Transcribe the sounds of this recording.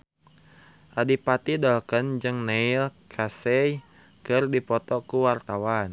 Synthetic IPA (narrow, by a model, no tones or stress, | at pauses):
ʔadipat̪idɔlkənd͡ʒɨŋnailkʰasɛj | kɨrdipɔt̪ɔkuwart̪awan